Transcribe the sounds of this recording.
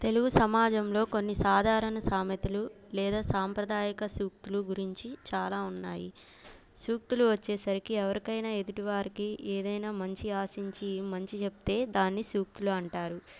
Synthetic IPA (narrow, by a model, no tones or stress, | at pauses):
t̪e̞luɡusɐmaːd͡ʒɐmlo̞ːko̞nːisaːd̪ʱaːɾɐnɐsaːmɐt̪ilu | lɛːd̪aːsaːmpɾɐd̪aːjɐkɐsuːk̚t̪uluɡuɾiɲt͡ʃit͡ʃaːlaːunːaːjḭ | suːk̚t̪uluʋɐt͡ʃːeːsɐɾikiɛʋɐɾikɐjnaːe̞d̪uʈiʋaːɾikiʔeːd̪ɐjnaːmɐɲt͡ʃiaːsiɲt͡ʃimɐɲt͡ʃit͡ʃepu̥t̪e̞ːd̪aːnːisuːk̚t̪uluɐɳʈaːɾu